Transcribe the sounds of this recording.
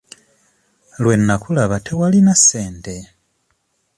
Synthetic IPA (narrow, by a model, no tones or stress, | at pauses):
lwe̞nːakulaβatʰewalinase̞ːnde̞